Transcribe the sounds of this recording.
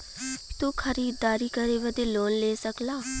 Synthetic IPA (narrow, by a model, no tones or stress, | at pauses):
t̪okʰɐɾiːd̪aːɾikəɾeʋəd̪eloːnleːsəklaː